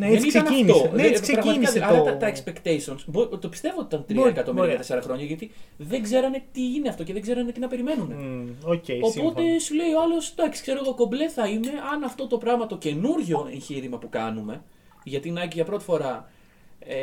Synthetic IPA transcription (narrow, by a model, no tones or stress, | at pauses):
neniɐnɐifnospɾɐɣmɐt̪niɐɐlɐit̪ɐnt̪ɐekspe̞kt̪esonsbot̪opist̪e̞voːt̪it̪ɐnt̪ɾiɐekɐt̪o̞miɾɐkɐte̞seɾɐxɾo̞ɲɐʝɐt̪iðe̞ŋɡze̞ɾɐne̞t̪iine̞ɐft̪o̞ceðeɡzeɾɐnet̪inɐpe̞ɾime̞numeoeopo̞t̪e̞sule̞ioɐlosd̪ɐksi̥kse̞ɾo̞ɣokomble̞θɐime̞ʔɐnɐft̪o̞t̪o̞pɾɐɣmɐt̪o̞ce̞nuɾʝo̞e̞̰ɲçiɾimɐpukɐnume̞ | ʝɐt̪inɐciʝɐpɾo̞t̪i̥fo̞ɾɐ | e